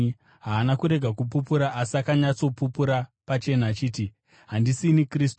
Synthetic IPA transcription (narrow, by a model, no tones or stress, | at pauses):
ɦaːnakuɾe̞ɡʱakup̬up̬uɾaʔasakaɲat͡so̞pupuɾapat͡ʃe̞naːt͡ʃiːti | ɦandisinikriːstu